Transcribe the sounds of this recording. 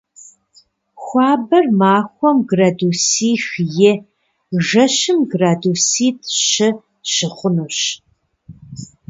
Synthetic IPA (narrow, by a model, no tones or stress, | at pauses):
xʷɑːbɐrmaːxʷɔmɡraːduːsiːxjɪ | ʒɐɕɨmɡraːdusiːtʰʼʃɪ | ʃɪχʷʊnɐɕ